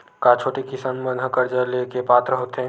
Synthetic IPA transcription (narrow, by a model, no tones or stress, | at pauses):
kaːt͡ʃʰoːʈekɪsaːnmənʱəkəɾd͡ʒəlekepaːt̪ɾəɦoːt̪eɦɛ̃